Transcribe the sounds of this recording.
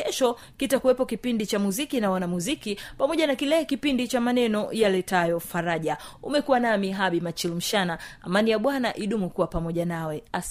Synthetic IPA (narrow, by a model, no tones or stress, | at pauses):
ɛʃɔ | kitakuwɛpɔkipindit͡ʃamuzikinawanamuzikipamɔʄanakilɛkipindit͡ʃamanɛnɔjalɛtajɔfaɾaʄaṵmɛkuwanamiɦaɓimat͡ʃilm̩ʃanaa̰manijaɓwanaʔiɗumukuwapamɔʄanawɛa